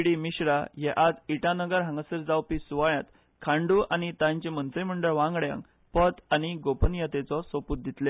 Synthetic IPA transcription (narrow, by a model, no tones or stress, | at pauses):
ɽimiɕɾajɛʔad͡ziʈãnəɡəɾɦãŋɡəsəɾd͡zawpisuʋaɭjat̪ | kʰãɳɖuanit̪ãɲt͡ɕemənt͡səjm̤əɳɖəɭʋãŋɡɽjã̰ŋk | pət̪añiɡopənjət̪et͡sɔsoput̪̚d̪ʱit̪le